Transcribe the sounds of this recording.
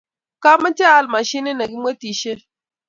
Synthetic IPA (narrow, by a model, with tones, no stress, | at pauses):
ka˦ma˦nt͡ʃe˦a˨lma˨ʃi˦ne˦na˨ɡi˦mwe˦ti˨ʃe˦